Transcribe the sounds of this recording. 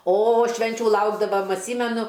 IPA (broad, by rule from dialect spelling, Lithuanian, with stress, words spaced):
oː ˈʃʲʋʲɛnʲt͡ʃʲʊ ˈlˠɐʊɡdɐʋɐm ɐtʲˈsʲiːmʲɛnʊ